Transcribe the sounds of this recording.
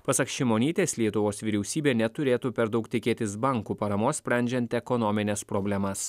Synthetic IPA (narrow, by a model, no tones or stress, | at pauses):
pɐsɐkʃʲɪmoːnʲiːt̪ʲeːslʲiɛt̪ʊʋoːsʋʲiːɾʲɛʊsʲiːbʲeːnʲɛt̪ʊɾʲeːt̪uːpʲɛɾd̪ɐʊkt̪ʲɪkʲeːt̪ʲɪsbɐŋkuːpɐɾɐmoːssʲpʲɾʲɛˑnʲd͡ʒʲɛnʲt̪ʲɛkɔnɔmʲɪnʲɛspɾobʲlʲɛmɐs